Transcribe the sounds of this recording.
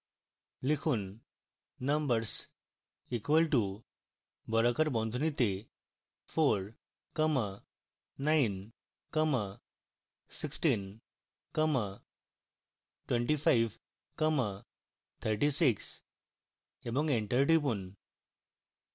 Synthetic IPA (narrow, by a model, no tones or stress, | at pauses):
likʰuːnː | ə̃mbəɾs | ikʋəlʈu | bʱɔɾakəɾbɔ̃nd̪ʱunit̪e | foɾ | kəmaː | ain | kəma | siksʈin | kəma | ʈʋẽɳʈifaiʋ | kəma | t̪ʰəɾʈisiks | ebɔ̃ŋɡẽɳʈəɾʈipun